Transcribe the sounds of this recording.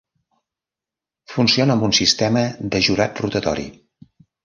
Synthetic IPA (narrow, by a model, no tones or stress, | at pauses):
funsionəmbunsist̪ɛməd̪əʒuɾat̪rut̪ət̪ɔ̰ɾḭ